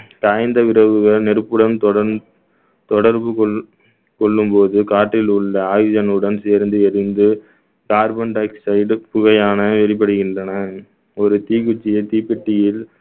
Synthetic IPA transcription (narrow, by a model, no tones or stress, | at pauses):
t̪aːɪnd̪ɐʋɪɾɐʋɯɣɐɭnɛɾɯpːɯɽɐnt̪ɔɽɐ | t̪ɔɽɐɾbɯkɔ | kɔɭːɯmpoːðɯkaːʈːɪlʊɭːɐaːɣɪd͡ʒɐnɯɽɐnseːɾnd̪ɯɛɾɯnd̪ɯ | kaːɾbɐnʈɐɪksɐɪɖpʊɣɐjaːnɐʋɛɭɪp̬ːɐɽɯɣɪndrɐnɐ | ɔɾɯt̪iːkʊt͡ʃːɪjɐt̪iːpːɪʈːɪjɪl